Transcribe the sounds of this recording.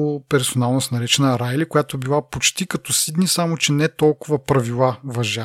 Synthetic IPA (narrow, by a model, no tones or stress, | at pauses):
opɛɾsonalˠnosnɐɾɛt͡ʃɛnəɾajlikojat̪oɛbilˠapot͡ʃt̪ikɐt̪ɔsid̪nisamot͡ʃɛnɛt̪ɔlˠkʊvɐpɾɐvilˠavɐʒa